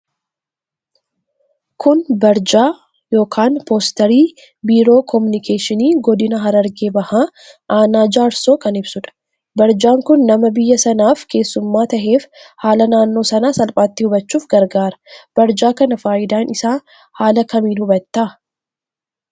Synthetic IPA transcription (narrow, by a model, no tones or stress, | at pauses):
kʰʊnbɐɾd͡ʒaː | jo̞ːkʰaːnpoːst̪ɐɾiː | biːɾo̞ːkʰɔmʊnɪkʰeːʃɪniːɡɔd̪ɪnɐɦɐɾɐɾɡeːbɐhaː | ʔaːnaːd͡ʒaːɾso̞ːkɐnɪbsʊᶑɐ̥ | bɐɾd͡ʒaːŋkʊnːɐmɐbɪjːɐsɐnaːfke̞ːsːʊmːaːt̪ɐɦe̞ːfhaːlɐnaːnːo̞ːsɐnaːsɐlpʼaːt̪ːɪhʊbɐt͡ʃːuːfɡɐɾɡaːɾɐ̥b̥ɐɾd͡ʒaːkɐnɐfaːʔɪd̪aːnɪsaː | haːlɐkɐmiːnhʊbɐt̪ːaː